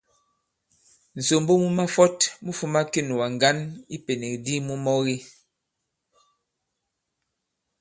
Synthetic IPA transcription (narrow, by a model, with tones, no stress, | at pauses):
n̩˨so˨mbo˦mu˦ma˦fɔ˦tmu˦fu˦ma˦ki˦˨n˨wa˨ŋ˨ɡa˦ni˦pe˨ne˨k̚di˦mu˦mɔ˦ɣi˦